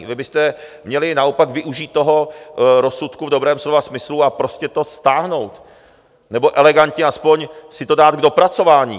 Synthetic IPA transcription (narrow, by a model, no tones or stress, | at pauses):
vɪbɪst̪ɛmɲɛlɪnao̞pakvɪʔuʒiːt̪ːoɦo̞ɾo̞sːut̪kuvdo̞bɾɛːmslovasmɪsluapɾo̞scɛt̪o̞st̪aːɦno̞wt̪ | nɛbo̞ʔɛlɛɡant̪ɲɛaspo̞ɲsɪt̪o̞daːt̪̚ɡdo̞pɾat͡so̞vaːɲḭː